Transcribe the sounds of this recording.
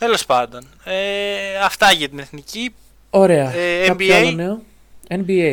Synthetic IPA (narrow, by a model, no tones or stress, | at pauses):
t̪elo̞spɐnd̪on | eɐft̪ɐʝɐt̪ine̞θnici | o̞ɾe̞ɐekɐpoɐloneo | enbie